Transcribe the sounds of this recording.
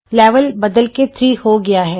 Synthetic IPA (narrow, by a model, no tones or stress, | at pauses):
lɛːʋəlbɐd̪əlket̪ʰɾiːhoɡɐjaɦɛː